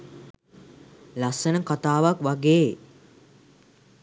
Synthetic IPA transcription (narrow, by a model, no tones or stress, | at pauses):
lasənəkat̪aːʋakʋaɡeː